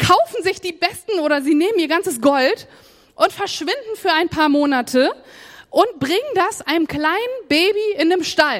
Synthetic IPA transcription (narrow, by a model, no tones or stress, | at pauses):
kʰaʊfn̩zɪçd̥iːbɛstn̩ʔoːɾɐziːneːməniːɐɡant͡səsɡ̥ɔlt | ʔʊntfɛɐʃv̥ɪndn̩fyːɐaɪnpʰaːɐmoːnatʰəʔʊnt̚b̥ʁɪŋəndasʔaɪnəmkl̥aɪnənbeːbiɪndeːmʃtal